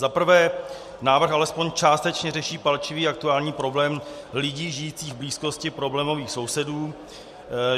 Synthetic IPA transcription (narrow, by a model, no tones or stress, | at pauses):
zapr̩vɛː | naːvr̩xʔalɛspoɲt͡ʃaːst̪ɛt͡ʃɲɛrɛʃiːpalt͡ʃɪviːak̚t̪uaːlɲiːpɾo̞blɛːm | lɪɟiːʒɪjiːt͡siːɣvbliːsko̞scɪpɾo̞blɛːmo̞viːxso̞wsɛduː